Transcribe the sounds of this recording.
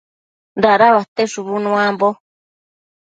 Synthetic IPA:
nd̪aʔɾaβat̪eʂuβunũãmbo

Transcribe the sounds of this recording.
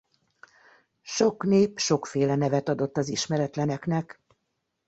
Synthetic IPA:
ʃo̞kneːpʃo̞kfeːlɛnɛvɛt̪ɒd̪o̞t̪ːɒziʃmɛɾɛt̪lɛnɛknɛk

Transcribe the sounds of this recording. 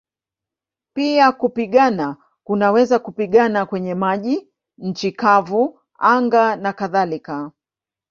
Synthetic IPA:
piakupiɠana | kunawɛzakupiɠanakwɛɲɛmaʄi | ɲ̩t͡ʃikavu | aŋɡanakaðalika

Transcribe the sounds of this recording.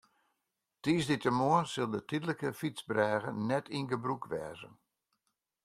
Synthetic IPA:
tiːsditəmoənsɪlˠdətidləkəfitsbrɛːɣə̰nɛtʰinɡəbrukʋɛ̰ːzə̰n

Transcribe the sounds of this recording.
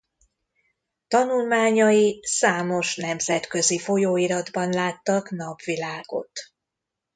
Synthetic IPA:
t̪ɒnulmaːɲɒjisaːmo̞ʃnɛmzɛt̪kø̞zifo̞joːiɾɒd̪bɒnlaːt̪ːɒknɒbvilaːɡo̞̰t̪

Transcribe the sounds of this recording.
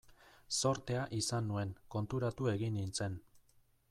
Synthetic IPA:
so̞ɾt̪e̞aʔisanːue̞ŋko̞nt̪uɾat̪ue̞ɣinːint͡se̞n

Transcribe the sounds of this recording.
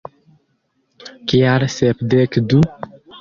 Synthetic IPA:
kiaɾsɛpd̪ekd̪u

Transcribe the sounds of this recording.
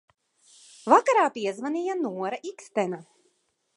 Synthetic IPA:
vakaɾaːpiɛzvanʲijanuɔɾaʔikst̪ɛna

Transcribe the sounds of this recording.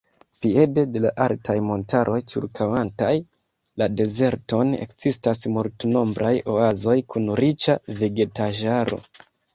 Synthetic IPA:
pie̞de̞de̞laʔaltʰajmo̞ntʰaɾʔo̞jt͡ʃḭɾkʰawantaj | lade̞ze̞ɾto̞ne̞̰kz̥istasmultno̞mbɾʔajo̞azo̞jkunɾit͡ʃaveɡe̞taʒaɾo̞̰

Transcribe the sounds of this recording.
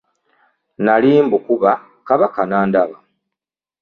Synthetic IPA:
naliːmbukuβa | kaβakanaːndaβa

